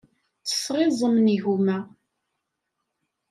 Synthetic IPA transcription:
t͡sə̥sʁɪzˤəmniʝumæ

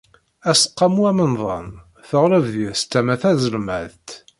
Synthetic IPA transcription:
æsə̥qːɑmuæmənðˤɑ̰n | θəʁɾəvðiɾst̪ːæmæθæzəlmæðt̪

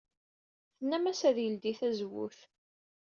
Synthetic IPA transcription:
θənːæmæsæðjəld̪iθæzwṵθ

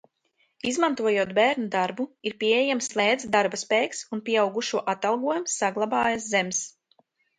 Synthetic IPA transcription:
izmant̪uɔjuɔt̪bæːɾnud̪aɾbuiɾpʲiɛeɛjamslˠɛːd̪zd̪aɾbaspɛːjksunpʲiɛawɡuʃuɔʔat̪alˠɡuɔjumsːaɡlˠabɑːjas̬zɛms

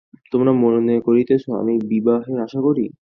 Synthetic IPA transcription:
t̪omɾamononekoɾit̪et͡ɕʰoa̰mibibaɦeaʃakoɾi

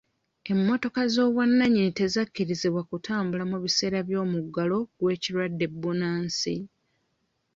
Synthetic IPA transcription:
e̞mːo̞to̞kazo̞ːβwanːaɲite̞zakːiɾiziβwakutʰaːmbulamuβise̞ːɾaβjo̞ːmuɡːalo̞ɡwe̞ːcilwadːe̞bːunaːnsi

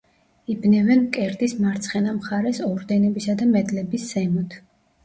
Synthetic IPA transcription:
ibnɛvɛnkʼɛɾd̪ismaɾt̪sʰχɛnamχaɾɛsɔɾd̪ɛnɔbisad̪amɛd̪lɛbisːɛmɔt̪ʰ

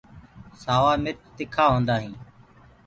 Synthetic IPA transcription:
saːʋaːmɪt͡ʃt̪ɪkʰaːɦõːnd̪aːɦĩː

